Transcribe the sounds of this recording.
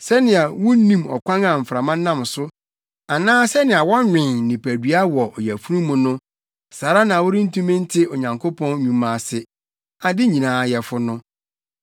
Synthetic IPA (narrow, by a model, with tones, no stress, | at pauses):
sɛ˦nɪ̃˨a˨wʊ˦n˦nĩ˦˨mɔ̰˨kʷʰã˦ŋã˨m̩˨fɾa˨mã˦nːã˦m˨sʊ˦ | a˨nãː˦sɛ˦nɪ̃˨a˨wɔ̃˦ɲᶣɪ̃˨nnɪ̃˨pʰæ˨di˨˦a˦wɔ˨ʔɔ˨jæ˨fu˦ɾũ˦mũ˦nʊ̃˦ | saː˨ɾa˦nã˨wʊ˦ɾɪ˦n̩˦tʰũ˦mɪ̃˦n̩˦tʰɪ˦o˨ɲã˨ŋkʰo˦pʰɔ̃˦n˦ɲũ˨mã˨sɪ˦ | a˨dɪ˦ɲĩ˨nãː˨˦jɛ˨fʊ˦nʊ̃˦